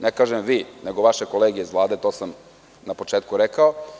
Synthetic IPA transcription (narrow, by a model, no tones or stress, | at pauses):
nekaːʒemʋiːneɡo̞ʋaʃekoleːɡijeizlˠaːd̪et̪o̞ːsam | napo̞t͡ʂeːt̪̚kuɾekao